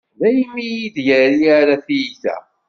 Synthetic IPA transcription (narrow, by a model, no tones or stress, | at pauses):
ðæjmːijid̪jəɾiaɾaθijiθæ̰